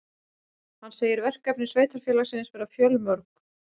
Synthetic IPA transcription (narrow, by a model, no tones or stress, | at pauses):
hanːseːjɪɾvɛr̥kɛp̚nɪ̥sveːjt̪aɾ̥fjɛːlasɪːnɪsfɛɾafjœlmœɾk̚